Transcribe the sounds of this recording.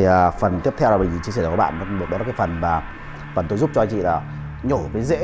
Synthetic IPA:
əː˨˩fə˨˩nt̪i˦˥əp̚t̪ʰɛ˧wlaː˨˩ɓə˧jzi˨˩t͡ɕi˧sɛ˧˩˨kɔ˨˦ɓa̰ː˧˨nː˨˦ɗt̚ɗkːfə˨˩nvaː˨˩ | ɓa̰ː˨˩nt̪o˧jzu˦˥p̚t͡ɕɔ˧t͡ɕḭ˧˨laː˨˩ | ɲo˧˩˨kəː˨˦jzḛ˧˥

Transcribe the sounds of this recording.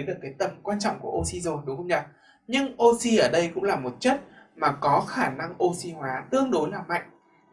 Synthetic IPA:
jɗɨ˨˩əkːaː˨˦jt̪ə˨˩mkwaː˧nt͡ɕɔ̰˧˨wŋ͡mku˧˩əʔo˧si˧zo˨˩nɗxə˧wŋ͡mɲaː˨˩ | ɲɨ˧ŋʔo˧si˧ʔəː˧˩ɗə˧jkʊ̰˧˥ŋ͡mlaː˨˩mo˨˩t̚t͡ɕə˦˥t̚maː˨˩kɔ˨˦xaː˧˩na˧ŋʔo˧si˧hwaː˨˦t̪ɨ˧əŋɗo˨˦jlaː˨˩ma̰˧˨jŋ̟

